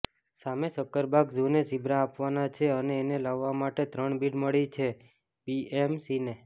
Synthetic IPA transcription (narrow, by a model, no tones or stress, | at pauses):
samesəkːəɾbʱaɡd͡ʒunesibʱɾaːpʋanat͡ʃʰeəneːnelaʋːamaʈet̪ɾəɳbiʈməɭit͡ʃʰe | biemsine